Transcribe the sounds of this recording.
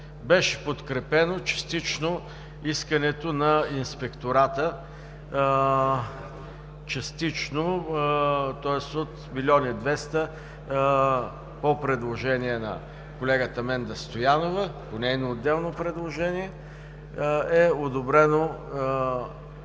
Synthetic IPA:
bɛʃɛ̥pot̪kɾɛpɛnot͡ʃɐ̥st̪it͡ʃno | iskənɛt̪onɐinspɛkt̪oɾat̪ə | t͡ʃɐst̪it͡ʃno | t̪ɔɛsot̪milʲɔnʲid̪vɛst̪ə | popɾɛd̪lˠoʒɛniɛnɐ̰ | kolɛɡət̪əmɛnd̪ɐst̪ojanovəponɛinoːd̪ːɛlˠnopɾɛd̪lˠoʒɛniɛ | ɛod̪obɾɛno

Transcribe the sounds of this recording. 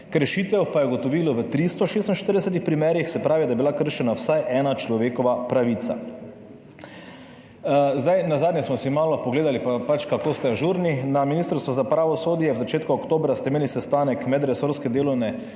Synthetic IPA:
kɾɛʃit̪ɛwpajɛɡɔt̪ɔʋiːlɔʋət̪ɾist̪ɔʃeːst̪nʃt̪əɾd̪ɛsɛt̪̬ixpɾimɛːɾjixsɛpɾaːʋid̪ajɛbilakəɾʃɛnawsajʔɛːnat͡ʃlɔʋeːkɔʋapɾaʋiːt̪sa̰ | zd̪ajnazaːd̪njɛsmɔsimaːlɔpɔɡleːd̪alipapat͡ʃkakoːst̪ɛaʒuɾninaminist̪əɾst̪ʋɔzapɾaːʋɔsoːd̪jɛwzat͡ʃeːt̪kuɔkt̪oːbɾast̪ɛimeːlisɛst̪aːnɛkmɛd̪ɾɛsoɾskɛd̪eːlɔwnɛ

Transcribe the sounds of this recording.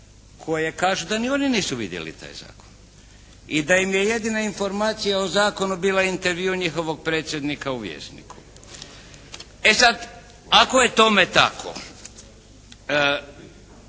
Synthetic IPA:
kʰo̞je̞kaːʒud̪anio̞niniːsuʋḭd̪jḛlḭt̪a̰ːjza̰ːkon | id̪ajimje̞je̞d̪inainfo̞ɾmaːt̪sijaozaːko̞nubiːlaint̪eɾʋiuɲixo̞ʋo̞ɡ̚pɾe̞ːt̪sje̞d̪nikauʋjḛːst̪nḭkʰu̥ | e̞sad̪ | ako̞je̞t̪o̞met̪a̰kʰo̰

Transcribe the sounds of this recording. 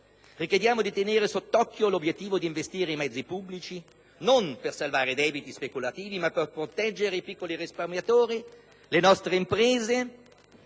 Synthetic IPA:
rikjed̪jaːmod̪it̪eneːɾesot̪ːɔkːjolobjet̪ːiːvod̪iɱvest̪iːɾeimɛd̪zːipubːlit͡ʃi | nompersalvaːɾed̪ɛːbit̪ispekulat̪iːvimapːerpɾot̪ɛd͡ʒːeɾeipikːoliɾisparmjat̪oːɾi | lenɔst̪ɾeimpɾeːze

